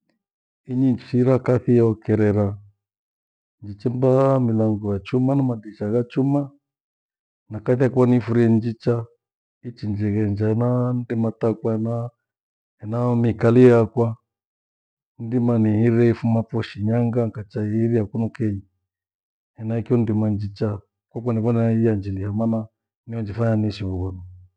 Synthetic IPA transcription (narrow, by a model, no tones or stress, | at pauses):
iɲit͡ʃiɾakaθiɛɔkɛɾɛɾa | nd͡ʒit͡ʃɛmbamilaŋɡɔjat͡ʃumanamadiʃaɣat͡ʃuma | nakaθiakwanifuɾiɛnd͡ʒit͡ʃa | it͡ʃind͡ʒɛɣɛnd͡ʒaɛnandimatakwaɛna | hɛnamikalijakwa | ndimanihiɾɛifumapɔʃiɲaŋɡaŋkat͡ʃaihiɾiakunɔkɛɲi | hɛnaikiɔndimand͡ʒit͡ʃa | kwakaniβɔnɛiand͡ʒilihamana | niɔnd͡ʒifaɲaniʃiβuɣɔnɔ